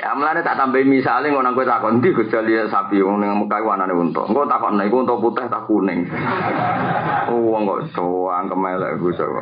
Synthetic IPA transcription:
a̰məlanet̪aʔt̪ampaimisaliŋkɔnaŋkuet̪akɔʔ̪nt̪iɡut͡ʃaliasapiunɪŋaməkaikuananeunt̪ɔ̰ʔŋkɔt̪akɔʔ̪naikuunt̪ɔput̪ɛht̪akunɪŋ | uɔŋkɔ̰ʔsoaŋkəmajlɛ̰ʔɡusa̰

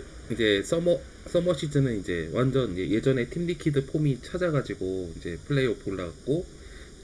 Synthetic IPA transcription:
id͡ʑe̞s͈ʰʌmʌ | s͈ʌmʌɕ͈ʰid͡ʑʰɯnɯnid͡ʑe̞wand͡ʑʌnjeje̞d͡ʑʌne̞tʰimnikʰidɯpʰomit͡ɕʰad͡ʑaɡad͡ʑiɡoind͡ʑe̞pʰɯɭːe̞jopoɭːaɡak̚k͈o

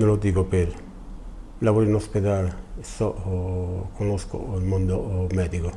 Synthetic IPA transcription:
nõlod̪iɡopeɾ | laβoɾinosped̪alsɔʔ | konosko̰ilmond̪omɛd̪iko

